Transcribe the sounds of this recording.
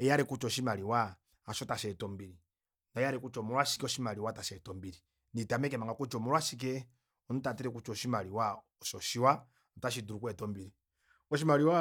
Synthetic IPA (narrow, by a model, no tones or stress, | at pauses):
ɛjaɾɛkut͡ʃɔʃimaliwa | aʃɔtaʃɛtɔmbiɾi | ndajaɾɛkut͡ʃɔmuɾwaʃi̥kɛɔʃimaliwataʃɛtɔmbiɾi | nitamɛkɛmaŋɡakut͡ʃɔmuɾwaʃik̬ɛ | ɔnutatiɾɛkut͡ʃɔʃimaliwa | ɔʃɔʃiwa | nɔtaʃ̬iduɾukwɛtɔmbiɾi | ɔʃ̬imaliwa